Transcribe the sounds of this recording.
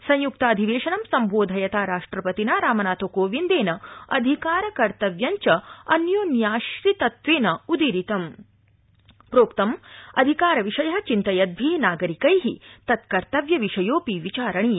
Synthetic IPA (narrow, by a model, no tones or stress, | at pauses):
sɐ̃ɲ̃juk̚t̪ɐːd̪ʱiʋeːʃɐnɐmsɐmbʱoːd̪ʱɐjɐt̪aːɾaːʂʈɾɐpɐt̪inaːɾaːmɐnaːt̪oːkoːʋind̪eːnɐɐd̪ʱikaːɾɐkɐɾt̪ɐʋjɐɲt͡ʃɐɐnjoːnjaːʃɾit̪ɐt̪ʋeːnɐud̪iɾit̪ɐm | pɾoːkt̪ɐmɐd̪ʱikaːɾɐʋiʃɐjɐɦɐt͡ʃint̪ɐjɐd̪̚bʱiːnaːɡɐɾikɐjɦit̪ɐt̪kɐɾt̪ɐʋjɐʋiʂɐjoːpiʋit͡ʃaːɾɐɳiː